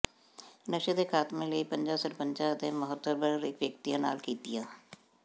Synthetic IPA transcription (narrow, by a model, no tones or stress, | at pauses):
nəʃəd̪ekʰaːt̪mẽleipɐ̃ɲd͡ʒaːsəɾpə̃ɲt͡ʃaːjt̪ẽməɦət̪ːəbəɾeːkʋjək̚t̪ijãna̰ːlkiːt̪ijãː